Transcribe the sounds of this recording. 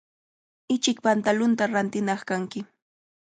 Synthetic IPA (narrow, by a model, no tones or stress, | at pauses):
ɪt͡ʃɪk̚pant̪alʊnt̪aɾant̪ɪnɑχkaŋkɪ